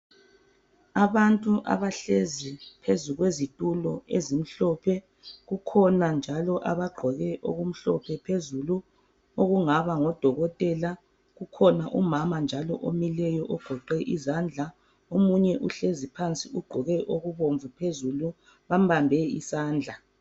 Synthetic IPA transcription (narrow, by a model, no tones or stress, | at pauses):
aβantʼuʔa̰βaɬezipʰezuɣwezitʼulɔezim̩ɬɔpʰɛ | ɣukʰɔnand͡ʒʱalɔʔaβaɡ͡ǃʱɔɣɛʔo̰ɣum̩ɬɔpʰɛpʰezulu | oɣuŋaβaŋɔd̥ʱɔɣɔtʼɛla | ɣukʰɔnaʔumamand͡ʒʱalɔ̰ʔomilɛjɔʔɔɡ̥ʱɔǃɛʔizand͡ɮʱa | omuɲɛʔuɬezipʰant͡sʼiuɡ͡ǃʱɔɣɛʔoɣuβoɱvupʰezulu | βambambʱɛḭsaːnd͡ɮʱa